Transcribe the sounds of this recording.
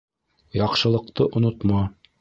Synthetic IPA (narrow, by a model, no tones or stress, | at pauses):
jɑqʃɤ̆lˠɤ̆q̚t̪ɤʔŏnot̪mɑ